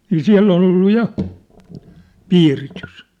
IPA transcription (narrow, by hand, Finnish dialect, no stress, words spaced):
niː siæ̝lː ol olːu jɑ piːritys